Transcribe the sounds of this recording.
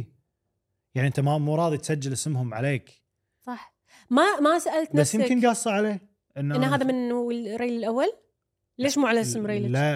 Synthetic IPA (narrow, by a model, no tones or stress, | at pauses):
jaʕniʔənt̪amamuːɾˤɑːðˤit̪sad͡ʒːalʔɪsmhʊmʕa̰leːk | sˤɑħ | mamasaʔalt̪nasːjɪmkɪnɡɑːsˤːɑʕaleː | ʔɪnːɪnːɦaːðamɪnuwɪɾeːlɪlʔawːal | leːʃmuːʕalaʔsmɾˤejlla